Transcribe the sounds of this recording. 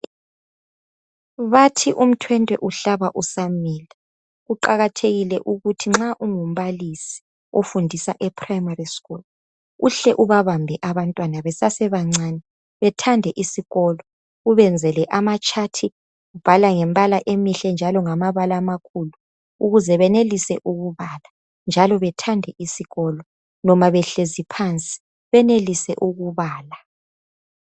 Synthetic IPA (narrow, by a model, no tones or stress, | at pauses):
βatʰiʔum̩tʰwɛntʼwɛ̰ʔuɬaβaʔusamiːla | ɣuǃaɣatʰeɣilɛʔuɣutʰiŋ͡ǁaʔuŋum̩βalisi̥ | ofundʱisaʔɛpʰrajmariskʼul | uɬɛʔuβaβambʱɛʔaβantʼwanaβɛsasɛβaŋ͡ǀanɛ | βɛtʰandʱɛʔisiɣɔlɔ | uβɛnd͡zʱɛlɛʔamat͡ʃʼatʰi | ub̥ʱalaŋɛmbʼalaʔemiɬɛnd͡ʒʱalɔŋamaβalamakʰulu | uɣuzɛβɛnelisɛʔuɣuβaːla | nd͡ʒʱalɔβɛtʰandʱɛʔisiɣɔlɔ | nɔmaβɛɬezipʰant͡sʼi̥ | βɛnelisɛ̰ʔuɣuβaːla